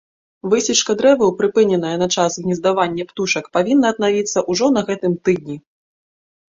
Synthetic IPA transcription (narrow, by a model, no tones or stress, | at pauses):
vɨsʲit͡ʂkɐd̪ɾɛvɨwpɾɨpɨnʲɛnɐjɐnɐt͡ʂasɣnʲɛzd̪avanʲːɛpt̪uʂɐkpavʲinːɐːd̪navʲit̪sːɐʔuʐɔnɐɣɛt̪ɨmt̪ɨd̪̚ʲnʲi